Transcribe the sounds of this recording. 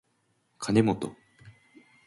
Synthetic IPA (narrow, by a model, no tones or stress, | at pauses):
kʰane̞mot̪o̰